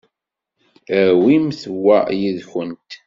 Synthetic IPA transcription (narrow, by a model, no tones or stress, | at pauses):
əwimθwːæjiðçənt̪